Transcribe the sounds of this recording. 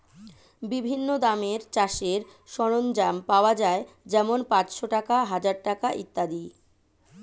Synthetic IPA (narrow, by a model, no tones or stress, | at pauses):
bibʱinːod̪ameɾt͡ɕaʃeɾʃɔɽ̃ond͡ʑampaoad͡ʑae | d͡ʑɛmonpãt͡ɕʃoʈakaɦad͡ʑaɾʈakaʔḭt̪ːad̪i